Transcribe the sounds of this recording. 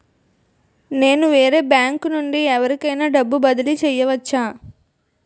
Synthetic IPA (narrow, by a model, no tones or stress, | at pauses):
ne̞ːnuʋeːɾe̞ːbjaːŋkunuɳɖiɛʋɐɾikɐjnaːɖɐbːubɐd̪ɐlit͡ʃɛjːɐʋɐt͡ʃːaː